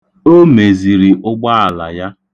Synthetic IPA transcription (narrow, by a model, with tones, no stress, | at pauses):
o˦me˨zi˨ɾi˨ʔʊ˦ɡ͡ba˦a˨la̰˨ja˦